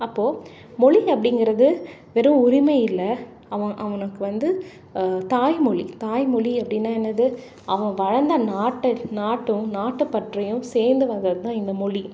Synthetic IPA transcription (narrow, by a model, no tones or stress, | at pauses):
ɐpːoː | mɔɭiɐpːɐɽɪŋɡɪɾɐðɯʋɛɾɯ̃ʊɾɪmɐjɪlːɐ | ɐʋɐ̃ʔɐʋɐnɯkːɯʋɐnd̪ɯ | t̪aːjmɔɭit̪aːjmɔɭiɐpːɐɽɪnːaːɛnːɐðɯ | ʔɐʋɐ̃ʋɐɻɐnd̪ɐnaːʈːɐnaːʈːɯ̃naːʈːɯpːɐʈrɐjʊ̃seːɾnd̪ɯʋɐnd̪ɪɾɐðɯt̪ãːɪnd̪ɐmɔɻi